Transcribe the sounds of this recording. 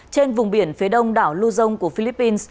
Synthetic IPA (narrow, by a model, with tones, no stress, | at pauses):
t͡ɕe˧nvʊ˨˩ŋ͡mɓi˧˩ənfi˨˦ɗə˧wŋ͡mɗaː˧˩wlu˧zə˧wŋ͡mku˧˩əfi˧li˦˥pːi˧ns